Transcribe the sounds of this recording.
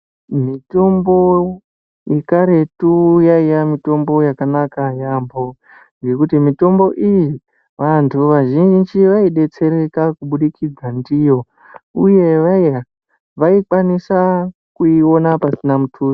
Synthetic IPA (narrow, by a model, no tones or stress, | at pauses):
mito̞mbo̞ | jekaɾe̞tujaijamito̞mbo̞jakanakajambo̞ | ŋɡe̞kutimito̞mbo̞ʔiji | ʋantʰuʋaʒinnd͡ʒiʋaiɗe̞t͡se̞ɾe̞kakuɓuɗikid͡zandijo̞ | uje̞ʋa | ʋaikwanisa | kuio̞napasinamutʰuːri